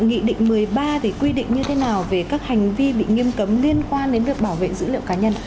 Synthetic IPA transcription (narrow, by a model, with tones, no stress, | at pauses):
ŋḭ˧˨ɗḭ˧˨ŋ̟mɨ˨˩əjjɓaː˧t̪ʰi˨˩kwi˧ɗḭ˧˨ŋ̟ɲɨ˧t̪ʰe˨˦naː˨˩wve˨˩kaː˦˥k̚ha˨˩jŋ̟vi˧ɓḭ˧˨ŋi˧əmkə˨˦mli˧ənkwaː˧nɗe˨˦nɗɨ˨˩ək̚ɓaː˧˩wvḛ˧˨zɨ̰˧˥lḭ˧˨əwkaː˨˦ɲə˧n